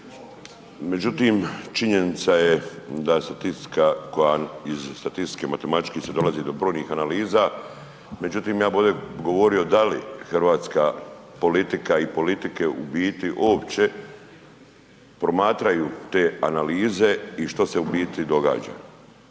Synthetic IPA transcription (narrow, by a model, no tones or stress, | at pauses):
me̞d͡ʑut̪imt͡ʃiɲe̞nit̪sajed̪ast̪at̪ist̪i̥kako̞jaizst̪at̪ist̪kemat̪e̞mat̪i̥t͡ʃkised̪o̞lazid̪o̞bɾojɲniːxanaliːzaː | me̞d͡ʑut̪iːmjaːbod̪eɡo̞ʋo̞ɾiod̪alḭxrʋaːt̪skaːpo̞lit̪ikaipo̞lit̪ike̞ʔṵbiːt̪iʔo̞ːpt͡ɕe̞ | pɾo̞maːt̪ɾajuːt̪e̞ːanaliːze̞iʃt̪ose̞ubiːt̪id̪o̞ɡa̰ːd͡ʒa̰ː